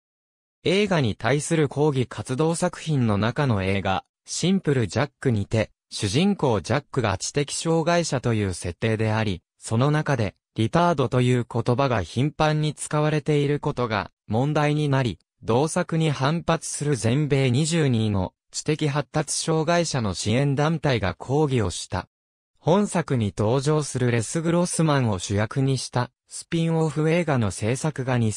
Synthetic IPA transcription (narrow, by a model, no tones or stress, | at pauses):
e̞ːɡaɲ̟it̪aisɨɾɯ̟kʰo̞ːɡʲikʰat͡sɨd̪o̞ːsakɯ̟̥çĩnːo̞nakano̞e̞ːɡa̰ | ɕĩmpɯ̟ɾɯ̟d͡ʑakːɯ̟ɲ̟it̪e̞ | ɕɨʑĩŋko̞ːd͡ʑakːɯ̟ɡa̰t͡ɕi̥t̪e̞kʲi̥ɕo̞ːɡaiɕat̪o̞jɯ̟ːse̞t̪ːe̞ːd̪e̞aɾʲi | so̞no̞nakad̪e̞ | ɾʲipaːd̪o̞t̪o̞jɯ̟ːko̞t̪o̞baɡa̰çĩmpãɲ̟ːit͡sɨ̥kaβ̞aɾe̞t̪e̞iɾɯ̟ko̞t̪o̞ɡa̰ | mõ̞nd̪aiɲ̟inaɾʲi | d̪o̞ːsakɯ̟ɲ̟ihãmpat͡sɨ̥sɨɾɯ̟zẽ̞mbe̞ːɲ̟iʑɨːɲ̟ino̞̰ | t͡ɕi̥t̪e̞kʲiɦat̪ːat͡sɨ̥ɕo̞ːɡaiɕano̞ɕiẽ̞nd̪ãnt̪aiɡa̰kʰo̞ːɡʲio̞ɕi̥t̪a̰ | hõ̞ɰ̃sakɯ̟ɲ̟it̪o̞ːʑo̞ːsɨɾɯ̟ɾe̞sɨɡɯ̟ɾo̞sɨmãɰ̃o̞ɕɨjakɯ̟ɲ̟iɕi̥t̪a | sɨ̥pʲĩɰ̃o̞ɸɯ̟e̞ːɡano̞se̞ːsakɯ̟ɡaɲ̟i